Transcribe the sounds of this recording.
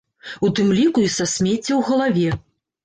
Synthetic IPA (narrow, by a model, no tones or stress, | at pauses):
ut̪ɨmlʲikuisasʲmʲet͡sʲːɛwɣɐlˠavʲɛ